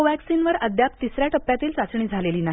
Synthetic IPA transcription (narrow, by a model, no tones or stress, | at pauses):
oʋæksinʋəɾəd̪jap̚t̪isɾjaʈəpːjat̪iːlsat͡sɳ̃iːd͡zʱaleliːnaɦ